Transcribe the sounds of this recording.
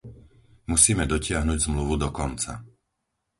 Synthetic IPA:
musiːmɛd̪ɔcɪaɦnuɟzmluʋud̪ɔkɔnt͡sa̰

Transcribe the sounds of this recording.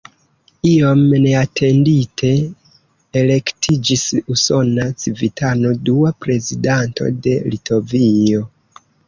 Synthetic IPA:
io̞mne̞atʰe̞nditʰe̞ː | le̞ktʰid͡ʒisuso̞nat͡sivitʰano̞duapɾe̞zidantʰo̞̰de̞litʰo̞vio

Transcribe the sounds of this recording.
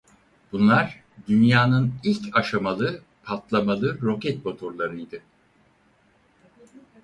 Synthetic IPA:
b̥unlˠaɾ | d̪ynjaːnɯnilʲcʰaʃamalˠɯ | pʰat̪lˠamalˠɯɾo̞cɛt̪̚bot̪ʰoɾlˠaɾɯjd̪ɯ

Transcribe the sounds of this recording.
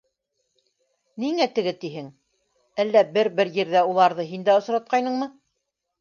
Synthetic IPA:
niŋæt̪ɘ̆ɡɘt̪iɦɘŋ | ælːæbɘɾbɘɾjɘ̆ɾðæulˠɑɾðɤɦind̪æŏsɾɑt̪̚qɑjnɤɴmɤ

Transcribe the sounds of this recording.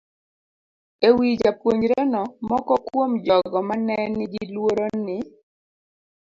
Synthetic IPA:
ewid͡ʒapwoɲɾɛnɔmɔkɔkwomd͡ʒɔɡɔmanɛnːɪɡilwoɾonɪ

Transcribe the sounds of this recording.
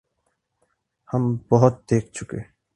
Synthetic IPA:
hambɔɦɔt̪̚ːeːk̚t͡ɕʰukḛ

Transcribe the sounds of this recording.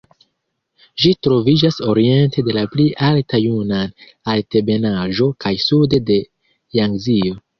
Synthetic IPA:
ʒitɾo̞vid͡ʒaso̞ɾie̞nte̞de̞lapliʔaltajunan | alte̞be̞naʒo̞kʰajsude̞de̞ | jaŋɡzio̞

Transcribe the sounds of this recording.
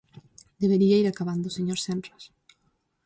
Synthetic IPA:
d̪eβeɾiaiɾakaβand̪ʊseɲoɾsemp̪ɾas

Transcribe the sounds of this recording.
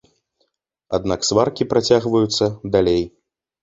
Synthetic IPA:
ad̪naksvarkʲipɾat͡sʲaɣvɐjut̪sːɐd̪alʲej

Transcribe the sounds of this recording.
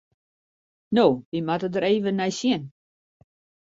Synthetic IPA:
noːʋimatədəɾeːvənːɛjsjɪn

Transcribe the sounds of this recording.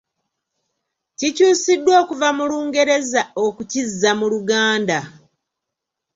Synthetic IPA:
cicuːsidːwo̞ːkuvamuluːŋɡe̞ɾe̞zao̞kucizːamuluɡaːnda

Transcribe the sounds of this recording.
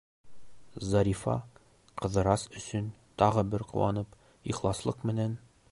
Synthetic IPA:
zɑɾʲifɑ̰ | qɤ̆ðɤ̆ɾɑsɵ̆sɵnt̪ɑʁɤbɘɾqṵwɑnɤp | iχlˠɑslˠɤqmɘ̆næn

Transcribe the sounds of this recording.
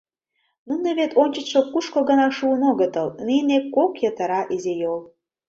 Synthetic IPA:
nunə̆βet̪onʲt͡ɕə̆t̪ʃokuʃkoɣə̆nɑʃuənoɣə̆t̪əlninekːokjət̪ə̆ɾɑʔizejol

